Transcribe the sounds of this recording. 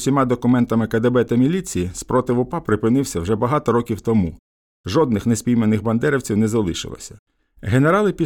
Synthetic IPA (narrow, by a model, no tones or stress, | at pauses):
sʲimɑd̪ɔkʊmɛnt̪ɐmɪkɐd̪ebɛt̪ɐmʲilʲit͡sʲijispɾɔt̪ɪʋʊpɑpɾɪpɪnɪwsʲɐwʒɛbɐɦɑt̪ɔɾɔkʲiwt̪ɔmu | ʒɔd̪̚nɪxnesʲpʲijmenɪxbɐnd̪ɛɾɪwt͡sʲiwnɛzɐlˠɪʃɪ̰lˠɐ̰sʲɐ̥ | ɦeneɾɑlˠɪpʲi